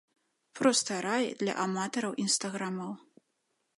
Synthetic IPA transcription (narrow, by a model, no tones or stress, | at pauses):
pɾɔst̪ɐjɾajd̪lʲɐ̰ʔamat̪ɐɾɐwʔinst̪ɐɣɾamɐw